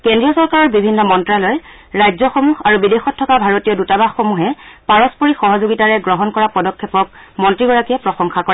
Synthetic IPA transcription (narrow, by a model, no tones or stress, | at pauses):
kɛndɹijɔsɔɹkaɹɔɹbibʱinːɔmɔntɹalɔj | ɹajzɔxomuxaɹubidexɔtʰːɔkabʱaɹotijɔdutabaxxomuɦɛpaɹɔspɔɹixɔɦɔzoɡitaɹɛɡɹɔɦɔnkɔɹapɔdɔkʰːɛpɔk̚mɔntɹiɡɔɹakiɛpɹɔxɔŋxakɔɹa